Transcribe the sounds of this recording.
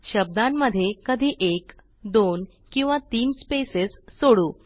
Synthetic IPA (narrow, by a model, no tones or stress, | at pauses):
ɕəb̚d̪ãmːəd̪ʱːjekəd̪ʱiːʔek | d̪on | kĩw̃ʋat̪iːnspesessoɽuː